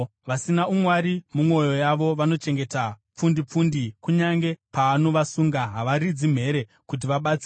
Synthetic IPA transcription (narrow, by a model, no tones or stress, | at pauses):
ʋasinaumwaɾimumwo̞jo̞jaʋo̞ʋano̞t͡ʃe̞ŋɡe̞tap͡fundip͡fundikuɲaŋɡe̞paːno̞ʋasuŋɡaɦaʋaɾid͡zim̤e̞ɾe̞ | kut̬iʋaɓat͡si